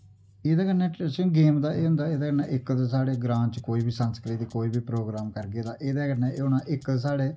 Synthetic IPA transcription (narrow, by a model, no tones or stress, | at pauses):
eːd̪aːkəɾnɛːʈɾeːsənɡeːmd̪aːʔeːɦʊ̃nd̪aːeːd̪aːkəɾnɛːʔɪkd̪saːɽeːɡɾãːt͡ʃkoːiːbʱiːsənskliːd̪iːkoːiːbiːpɾoːɡɾaːmkəɾɡeːd̪aːʔeːd̪aːkənɛːeːʊnãːʔɪksaːɽeː